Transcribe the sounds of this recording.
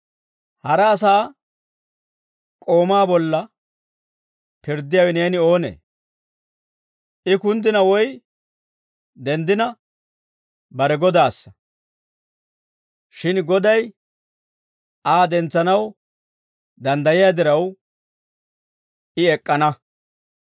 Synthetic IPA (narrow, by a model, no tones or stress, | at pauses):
hɐɾɐːs̬aː | kʼo̞ːmaːbɔlːɐ | pɪɾd̪ɪjawɛneːnɪo̞ːnḛː | ʔɪkʊnd̪ɪnɐwɔj | d̪ɛnd̪ɪnɐ | bɐɾɛɡɔd̪aːsːɐ | ʃɪnɡɔd̪ɐj | aːd̪ɛnt͡sːɐnɐw | d̪ɐnd̪ɐjɪjaːd̪ɪɾɐw | ʔɪɛkʼːɐnɐ